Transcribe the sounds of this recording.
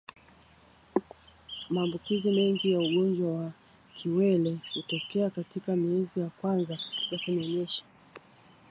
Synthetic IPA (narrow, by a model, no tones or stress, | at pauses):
maːmbukizimɛŋɡijauɠɔnd͡ʒwawa | kʰiwɛlɛhutɔkɛakatikamiɛzijakwanzajakunɔɲɛʃḁ